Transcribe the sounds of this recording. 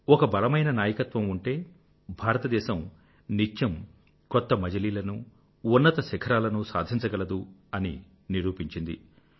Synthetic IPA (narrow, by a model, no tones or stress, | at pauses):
ɔkɐbɐlɐmɐjnɐnaːjɐkɐt̪ʋɐmuɳʈe̞ː | bʱaːɾɐt̪ɐd̪ɛːʃɐm | nit͡ʃːɐm | kɔt̪ːɐmɐd͡ʒɐliːlɐnu | unːɐt̪ɐsɛkʰɐɾaːlɐnusaːd̪ʱiɲt͡ʃɐɡɐlɐd̪uɐni | niɾuːpiɲt͡ʃind̪ḭ